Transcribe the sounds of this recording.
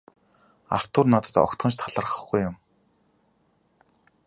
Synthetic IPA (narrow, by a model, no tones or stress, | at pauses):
a̰r̥t̪ʊrnat̪ə̆t̪ɔ̰kt̪χə̆nt͡ɕ̬t̪ʰaɮə̆rχə̆χɡujːʊm